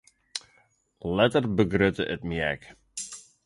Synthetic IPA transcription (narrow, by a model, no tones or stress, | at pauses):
lɛtərbəɡrøtəʔətmiɛ̰k